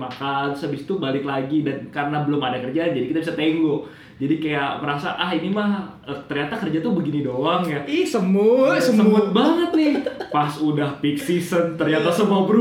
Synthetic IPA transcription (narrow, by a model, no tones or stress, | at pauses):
makansəbist̪ubalɪklaɡidankaɾənabəlʊmadakərd͡ʒand͡ʒadikit̪abisat̪eŋɡoʔ | d͡ʒadikajaməɾasaʔaɦinimah | ət̪ərɲat̪akərd͡ʒat̪ubəɡinidoaŋjasəmʊt̪səməmuʊt̪̚baŋət̪̚nɪhpasudahpit̪sisənt̪ərɲat̪asəmabəɾu